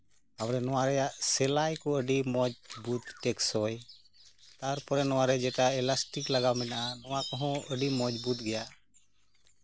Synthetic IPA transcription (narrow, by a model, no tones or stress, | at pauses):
awɾɛnɔwaɾɛjaʔsɛlajkɔəɖimɔd͡ʒbut̪ːɛksɔj | t̪aɾpɔɾɛnɔwaɾɛd͡ʒɛʈaɛlasʈiklaɡamɛnaʔanɔwakɔɦɔ̃əɖimɔd͡ʒbut̪̚ɡɛja